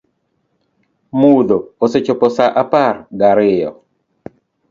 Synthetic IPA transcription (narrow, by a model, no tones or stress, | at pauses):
mud̪ooset͡ʃopɔsaʔaparɡaɾɪjɔ